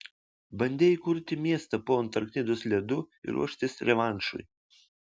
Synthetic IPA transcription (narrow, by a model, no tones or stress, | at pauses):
bɐnʲd̪ʲeːikʊɾʲt̪ʲɪmʲiɛst̪ɐpoːnt̪ɐɾkʲnʲɪd̪ʊslʲɛd̪ʊɪ̰ɾṵɔʃʲt̪ʲɪsɾʲɛʋɑˑnʲt͡ʃʊ̰ɪ